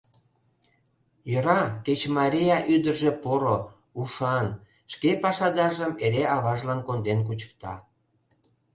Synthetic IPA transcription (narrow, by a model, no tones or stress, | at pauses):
jə̆ɾɑket͡ɕmɑɾʲijɑʔyd̪ərʒepoɾo | uʃɑn | ʃkepɑʃɑd̪ɑʒəmeɾeɑβɑʒlɑnkond̪enk̬ut͡ɕə̥k̚t̪ɑ̰